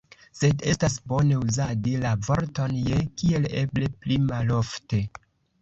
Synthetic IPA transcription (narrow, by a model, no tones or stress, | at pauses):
se̞de̞stasbo̞ne̞uzadilavo̞ɾto̞njekie̞le̞ble̞plimalo̞fte̞